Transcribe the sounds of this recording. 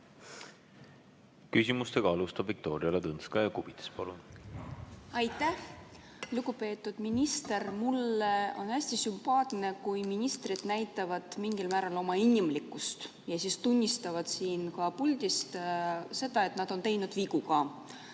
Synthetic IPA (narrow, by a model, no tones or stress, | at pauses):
kysʲimust̪e̞ɡ̥ɑɑlust̪ɑb̥vik̚t̪o̞ːɾiɑlet̪ɤnskɑjɑkub̥it̪e̥spɑlun | ɑjt̪ːˑæh | luɡ̥upe̞ːt̪ːˑud̪̥minʲist̪e̞rmulːeo̞næsʲt̪isympɑːt̪ne̞kujminʲist̪rid̪̥næjt̪ːˑɑvɑd̪̥miŋɡilmæːɾɑlo̞mɑinʲːimlikːˑust̪ | jɑsiːst̪unʲːist̪ɑvɑd̪̥siːnkɑpulʲd̪̥ʲist̪se̞d̪ɑe̞t̪ːˑnɑd̪̥o̞nt̪e̞jnud̪̥viɡukɑː